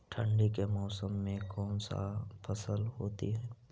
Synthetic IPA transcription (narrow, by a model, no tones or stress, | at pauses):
ʈʰə̃ɳɖikemɔːsəmːẽkɔːnsa̰pʰəsəlɦoːt̪iɦɛː